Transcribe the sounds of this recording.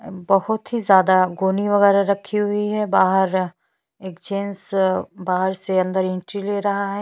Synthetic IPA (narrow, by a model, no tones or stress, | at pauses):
bɐɦʊt̪ɦizjaːd̪aɡoːniʋɐɣɛːɾaɾɐkʰiɦʊiɦɛbaːɦəɾ | eːkd͡ʒẽːnsbaːɦəɾseɐ̃nd̪əɾɪ̃ɳʈɾileːɾɐɦaɦɛː